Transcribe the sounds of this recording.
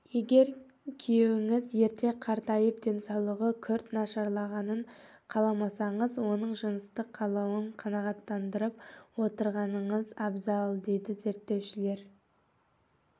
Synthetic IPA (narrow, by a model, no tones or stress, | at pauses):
je̞ɡʲe̞ɾ | kʲʰijewɪŋɪzje̞ɾt̪e̞qʰɑɾt̪ɑjəp̚d̪e̞nsɑwlˠəʁəkʲʰʏɾt̪nɑʃɑɾlˠɑʁɑnəɴqʰɑlˠɑmɑsɑɴəzwo̞nəɴʒənəst̪əqʰːɑlˠɑwəɴqʰɑnɑʁɑt̪ːɑnd̪əɾəp̚wo̞t̪əɾʁɑnəɴəzɑbzɑlˠd̪e̞jd̪ɪze̞ɾt̪ːe̞wʃɪle̞ɾ